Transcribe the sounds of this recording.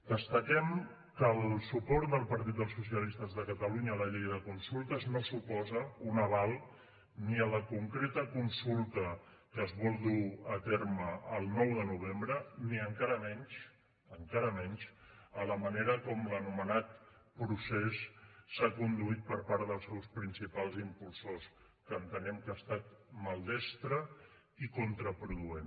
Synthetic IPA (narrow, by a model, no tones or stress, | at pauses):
d̪̥əst̪əkɛm | kəlˠsupɔɾt̪̚d̪əlˠpəɾt̪̬it̪̚d̪əlˠsusiəlist̪əzðəkət̪əluɲəːləʎejðəkunsulˠt̪əznosupɔzəunəβ̞alˠ | niələkuŋkɾet̪əkunsulˠt̪ə | kəzβɔlˠd̪uət̪eɾməːlˠnɔwðənuβ̞embɾəniəŋkaɾəmɛnʃ | əŋkaɾəmɛnʲʃələməneɾəkɔmlənumənat̪̚pɾusesːakund̪uit̪̚pəɾpaɾðəlˠsɛwspɾinsipalˠzimpulˠsos | kəːnt̪ənɛmkast̪at̪̚məlˠd̪ɛst̪ɾə | ikunt̪ɾəpɾuðuen